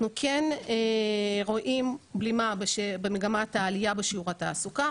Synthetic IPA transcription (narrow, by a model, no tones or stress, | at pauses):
nukʰeneʁo̞ʔimblimabeʃebemeɡamathaːlijabeʃiuʁataːsuka